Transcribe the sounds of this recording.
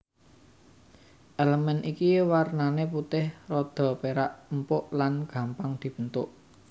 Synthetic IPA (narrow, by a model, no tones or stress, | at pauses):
ʔeləmɛnʔikiwarnaneput̪ɪhrɔd̪̥ɔ̤peɾaʔmpʊʔlanɡ̥ä̤mpaŋd̪̥i̤b̥ə̤nt̪ʊʔ